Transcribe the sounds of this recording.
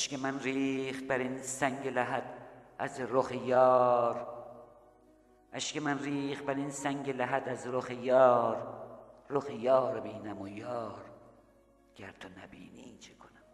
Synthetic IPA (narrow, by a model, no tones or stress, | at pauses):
æʃkʲemænɾiːxt̪̚bæɾinsæŋɟelæɦæd̪æzɾoxejɒːɾ | ʔæʃkemænriːxt̪̚bæɾinsæŋɟelæɦæd̪æzɾoxejɒːɾroxejɒːɾbiːnæmojɒːɾ | ɡ̥æɾt̪ʰonæbḭːniːnt͡ʃʰekʰonæm